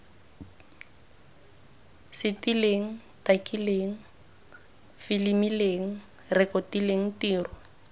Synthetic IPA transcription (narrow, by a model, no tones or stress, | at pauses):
sɪtileŋ̩ | takileːŋ̩ | filimileŋ̩ | rɪkɔtileŋ̩tiːrʊ